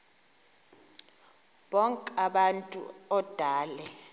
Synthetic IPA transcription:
ɓɔŋkʼaɓantʼṵɔd̥ʱaːlɛ

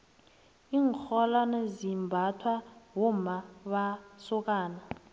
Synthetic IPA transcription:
iŋxɔlanezimbʱatʰwawɔmaɓasɔk̬ʼaːna

